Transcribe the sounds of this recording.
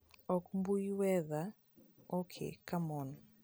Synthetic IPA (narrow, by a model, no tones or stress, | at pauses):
ɔkmbujwɛða | okʰḛkamɔnɔ